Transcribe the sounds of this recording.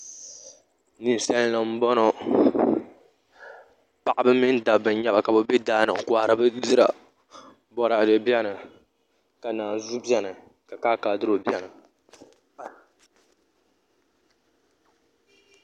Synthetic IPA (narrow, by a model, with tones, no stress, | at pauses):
ni˨n˨sɛ˦llɨ˨m̩˦bɔ˦no˦ | pa˨ʔa˨bɨ˦mi˦n˦da˨bɨ˨˦ɲɛ˦ba˨ka˨bɨ˨bi˦daː˦nɨ˨ka˦ɾɨ˦bɨ˦zɨ˦ɾa̰˨ | bɔ˨ɾa˨dɛ˨bjɛ˦nɨ˨ | ka˨naː˨zu˦bɛ˦nɨ˨ | ka˨kaː˦kaː˨dɨ˦ɾo˨bjɛ˦nɨ˨